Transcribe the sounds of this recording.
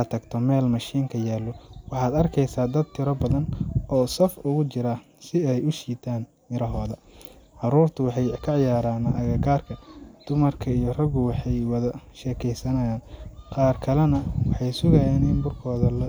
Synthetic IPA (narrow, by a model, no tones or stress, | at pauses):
ɐt̪ʰɐɡt̪ʰɔmɛːlmɐʃiːŋkʰɐjaːlɔwɑħɑːd̪ɐrkʰɛjsaːd̪ɐd̪̚t̪ʰɪɾɔbɐðɐnʔɔːsɐfʊɣʊt͡ʃɪɾɐ | sɪɛjʊʃiːt̪ʰaːn | mɪɾɐɦɔːðɐ | ʕɑɾuːrt̪ʰʊwɑħɑjkʰɐʕɪjaːɾaːnʔɐɣɐɡaːrkʰɐd̪̥ʊmɐrkʰɐijɞrɐɣʊwɑħɑjwɐðɐʃɛːkʰɛjsɐnɐjaːnqɑːrkʰɐlɛnɐwɑħɑjsʊɣɐjaːnɪnbʊrkʰɔːðɐlɐ